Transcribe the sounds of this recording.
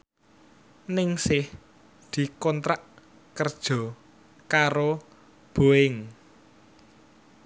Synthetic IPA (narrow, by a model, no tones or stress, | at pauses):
nɪŋsɪh | d̪̥i̤kɔnt̪ɾaʔ | kərd̥ʒ̥ɔ̤ | kaɾo | b̥o̤ɪŋ